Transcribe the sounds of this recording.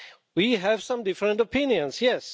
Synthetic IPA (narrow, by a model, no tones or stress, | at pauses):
wiɦæv̥sʌ̃mdɪfɹə̃ntɔpʰɪ̃njɨ̃nsjɛs